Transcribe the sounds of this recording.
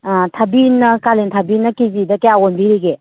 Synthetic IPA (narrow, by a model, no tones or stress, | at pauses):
tʰɐbinːɐkalentʰɐbinːɐkizidɐkejawonbiɾiɡe